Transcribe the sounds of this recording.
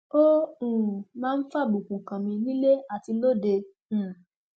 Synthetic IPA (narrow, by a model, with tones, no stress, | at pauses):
o˦ũ˨mãː˦n̩˦fa˦˨bu˨kũ˨kã˨mĩ˧nĩ˦le˦a˦˨ti˧lo˦dẽ˧˨